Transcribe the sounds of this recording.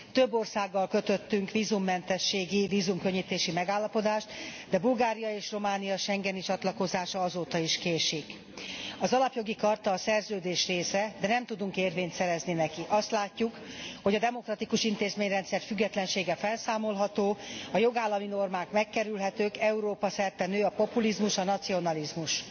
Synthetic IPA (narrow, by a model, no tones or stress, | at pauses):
t̪øbːorsaːɡːɒlkø̞t̪ø̞t̪ːyŋkʋiːzumːɛnt̪ɛʃːeːɡiviːzumkø̞ɲːit̪eːʃimɛɡaːlːɒpo̞d̪aːʃt̪d̪ɛbulɡaːɾijɒeːʃro̞maːnijɒʃɛŋɡɛnit͡ʃɒt̪lɒko̞zaːʃɒɒzoːt̪ɒiʃkeːʃik | ɒzɒlɒpjo̞ɡikɒrt̪ɒːsɛrzøːd̪eːʃreːsɛd̪ɛnɛmt̪ud̪uŋkeːrveːɲt̪sɛɾɛzninɛkiʔɒst̪laːcːukho̞ɟɒd̪ɛmo̞krɒt̪ikuʃint̪eːzmeːɲrɛnt̪sɛrfyɡːɛt̪lɛnʃeːɡɛfɛlsaːmo̞lɦɒt̪oːɒjo̞ɡaːlːɒmino̞rmaːkmɛkːɛɾylɦɛt̪øːkɛuɾoːpɒsɛrt̪ːɛnøːɒpo̞pulizmuʃɒnɒt̪sio̞nɒlizmuʃ